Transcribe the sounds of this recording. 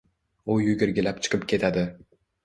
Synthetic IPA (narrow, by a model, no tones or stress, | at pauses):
ʊjʊɡʲɪɾɡʲɪlap̚t͡ʃʰɨ̥qʰɨpkʲʰe̞t̪ʰad̪ɪ